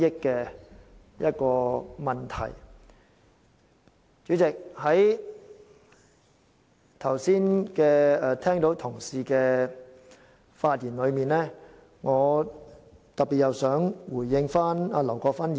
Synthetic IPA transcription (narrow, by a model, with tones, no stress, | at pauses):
jɪ˥kːɛː˧ | jɐ˦˥t̚kɔː˧mɐ˨nt̪ʰɐ̰˨˩j | t͡ʃyː˨˥t͡sɪ˨k̚hɐ˨˥j | t̪ʰɐ˨˩wsiː˥nkɛː˧ɛː˨˧t̪ʰɛː˥ŋt̪o˨˥wt̪ʰʊ˨˩ŋsiː˨kɛː˧ | faː˧t̚jiː˨˩nlɵ˨˧ɥmiː˨nlɛː˥ | ŋɔː˨˧ | t̪ɐ˨k̚piː˨t̚jɐ˨wsœː˨˥ŋwuː˨˩jːɪ˧ŋfaː˥naː˧lɐ˨˩wkɔː˧fɐ˥ni˨˩